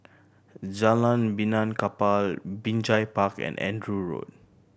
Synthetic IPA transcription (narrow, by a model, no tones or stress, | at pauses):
d͡ʒalãnbinãnkapalbĩnd͡ʒajpakɛ̰̃nɛ̰̃ndɹuɹo̰d̚